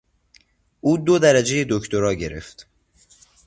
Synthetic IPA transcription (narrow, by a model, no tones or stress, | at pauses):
ʔuːd̪od̪æɾæd͡ʒe̞je̞d̪oct̪oɾɒːɟe̞ɾe̞̰ft̪